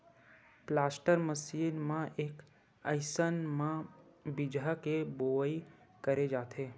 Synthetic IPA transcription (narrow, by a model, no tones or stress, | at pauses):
plasʈəɾməsiːnmãʔek | əjsənmãbɪd͡ʒakeboʋəi | kəɾed͡ʒaːt̪ʰe